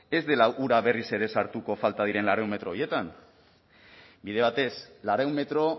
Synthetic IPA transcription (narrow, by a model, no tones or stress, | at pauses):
e̞zd̪e̞laʔuɾaβe̞rise̞ɾe̞saɾt̪uko̞falt̪að̞iɾe̞nlaɾeume̞t̪ɾo̞ːje̞t̪an | bið̞e̞β̞at̪e̞slaɾeumme̞t̪ɾo̞